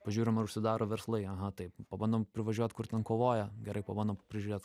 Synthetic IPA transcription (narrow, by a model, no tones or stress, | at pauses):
pɐʒʲuːɾʲɪmɐɾʊʃʲsʲɪd̪ɑːɾoːʋʲɛrslˠɐɪɐɦɐt̪ɐɪppɐbɐnd̪ompʲɾʲɪʋɐʒʲuɔt̪ʲkʊrt̪ʲɛnkoːʋoːjɛɡʲɛɾɐɪpɐbɐnd̪oːmppʲɾʲɪʒʲʊɾʲeːt̪